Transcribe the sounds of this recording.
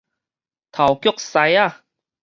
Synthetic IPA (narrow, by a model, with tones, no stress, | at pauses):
t̪ʰa˨˩wkjk̚sa˧ja˥˧˨